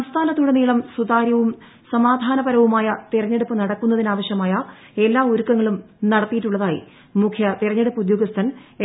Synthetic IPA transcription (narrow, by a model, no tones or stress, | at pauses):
ɐmst̪ʰaːnɐt̪ːuuɽɐniːɭɐmsud̪aːɾjɐʋum | sɐmaːd̪ʱaːnɐbɐɾɐʋumaːjɐt̪irɐɲːe̞ɽupːɨnɐɽɐkːunːɐðinaːʋɐɕjɐmaːjɐ | e̞lːaːuɾukːɐŋːɐɭum | nɐɽɐt̪ːijiʈːuɭːɐðaːjḭ | mukʰjɐt̪irɐɲːe̞ɽupːɨud̪jo̞ːɡɐst̪ʰɐn